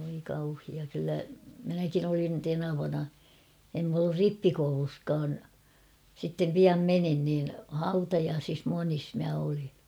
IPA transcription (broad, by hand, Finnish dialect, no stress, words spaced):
ʋoi kɑuhiɑ kylːæ minækin olin tenɑʋɑnɑ em m olːur ripːikouluskɑːn sitːem piɑm menin niːn hɑutɑjɑːsis monis mæ olin̥